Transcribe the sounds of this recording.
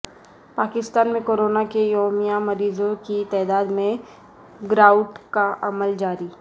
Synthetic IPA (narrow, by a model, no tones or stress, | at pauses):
paːkɪst̪aːnmẽkoːɾoːnakejoːmijamɐɾiːzõkit̪ɛːd̪aːd̪mẽ | ɡɾaːʊʈkaʔɐməld͡ʒaːɾi